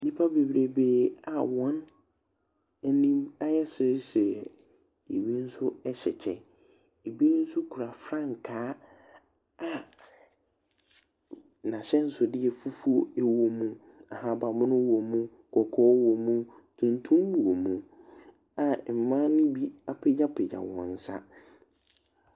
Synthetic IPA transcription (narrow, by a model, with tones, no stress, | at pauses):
nĩ˦pʰa˦be˨bɾe˨beː˨˦a˨wɔ̃˦n˦ | nĩ˦ma˦jɛ˦sɪ˨ɾɪ˦sɛ˨ | e˨wi˦n̩˦sʊ˦ɛ˦ɕɛ˨t͡ɕʰɛ̰̃˨ | e˨bi˦n̩˦sʊ˦kʰu˨ɾa˨fɾã˦˨ŋ˨kʰaː˨˦ | a˨ | nã˨ɕɛ˦n̩˦sʊ˨dɪ˦ɛ˨fu˦fu˦o˦e˦wo˨mũ˦ | a˨ha˦ba˨mʊ̃˦nʊ̃˦wo˨mũ˦˨kʰɔ˨kʰɔː˦wo˨mũ˦ | tʰũ˨ntʰũ˦mwu˨o˨mũ˨ | a˨m̩˨mã˦nʊ̃˦bi˦a˨pʰɪ˦d͡ʒa˦pʰɪ˨d͡ʑa̰˨wɔ̰̃˨n̩˦sa̰˦